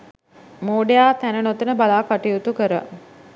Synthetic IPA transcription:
moːɖejaːt̪ænənot̪ənəbalaːkaʈijut̪ukəɾə̰

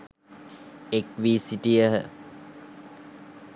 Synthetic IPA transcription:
ekʋiːsiʈijəɦə

